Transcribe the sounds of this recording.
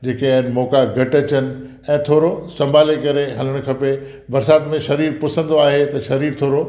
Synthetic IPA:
d͡ʑeːkeɦnmɔːkaɡʱɐʈɐt͡ɕənɪ̆ | ɛ̃ːt̪ʰoːɾosɐ̃mbʱaːlekɐɾeɦɐl̤əɽ̃̆kʰɐpe | bɐɾsaːt̪mẽʃɐɾiːɾpʊsə̃nd̪oaːɦet̪ɐʃɐɾiːɾt̪ʰoːɾo

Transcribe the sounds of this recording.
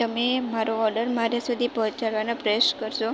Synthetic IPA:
əmemaɾoɔɾɖəɾmaɾasud̪ʱipɔ̃ːt͡ʃaɾʋanapɾəjoʃkəɾt͡ʃʰo

